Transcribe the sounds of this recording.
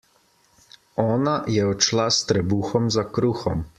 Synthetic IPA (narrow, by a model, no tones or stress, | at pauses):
ɔːnajɛɔt͡ʃlast̪ɾɛbuːxɔmzakɾuːxɔm